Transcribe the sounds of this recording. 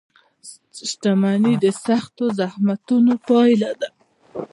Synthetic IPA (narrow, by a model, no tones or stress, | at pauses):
ʃʈamanid̪əsaxt̪ozahmat̪unopɑjlad̪a